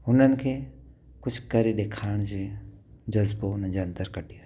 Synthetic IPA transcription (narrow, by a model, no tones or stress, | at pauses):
ʊnənɪ̆kʰeː | kʊt͡ʃʰkəɾeɗekʰaːɪɽ̃d͡ʒed͡ʒɐzboʊnənd͡ʒeɐ̃nt̪əɾkəʈia